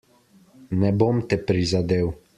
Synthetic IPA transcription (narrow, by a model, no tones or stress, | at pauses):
nɛbomt̪ɛpɾizad̪eːw